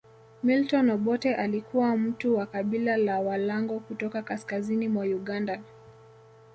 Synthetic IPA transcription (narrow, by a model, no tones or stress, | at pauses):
miltɔnɔɓɔtɛʔalikuwam̩tuwakaɓilalawalaŋɡɔkutɔkakaskazinimwajuɠanda